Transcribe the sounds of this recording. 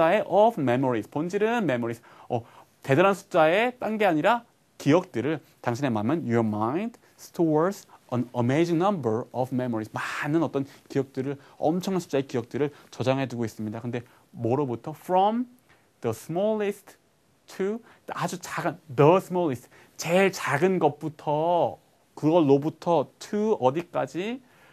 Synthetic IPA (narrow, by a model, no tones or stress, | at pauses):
aeʔʌbme̞moɾispond͡ʑiɾɯnme̞moɾis | ʌ | te̞daɾansʰu̥t͡ɕ͈aet͈aŋɡeaɲiɾa | kiʌk̚t͈ɯɾɯɭ | taŋɕʰine̞mamjʌnjoɾmajnd | stʰosʌnəmejd͡ʑiŋnʌmbʌɾʌbme̞moɾismanɯnʌt͈ʌnkiʌk̚t͈ɯɾɯɭʌ̰mt͡ɕʰʌŋɦansʰu̥t͡ɕ͈ae̞kijʌk̚t͈ɯɾɯɭt͡ɕʌd͡ʑaŋɦe̞duɡois͈ɯmɲidakɯnde̞ | moɾʌbutʰʌfʰɾʌm | dʌsʰmʌlːistʰ | tʰu | ad͡ʑut͡ɕaɡɯndʌsʰɯmʌɭːist | t͡ɕeɭt͡ɕaɡɯnɡʌp͈utʰʌ | kɯɡʌɭːobutʰʌtʰuʌdik͈ad͡ʑi